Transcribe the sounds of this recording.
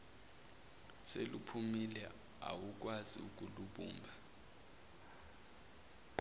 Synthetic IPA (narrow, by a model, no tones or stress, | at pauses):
selupʰumilɛ | a̰wuk̬waziuk̬ʼuluɓṵːmbʱa